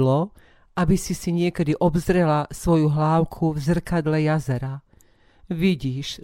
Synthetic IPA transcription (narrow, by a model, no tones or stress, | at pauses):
lɔ | ʔabisisiɲɪɛkɛd̪iʔɔbzɾɛlasʋɔjuɦlaːʊkʰuvzr̩kad̪lɛjazɛɾa | ʋiɟiːʃ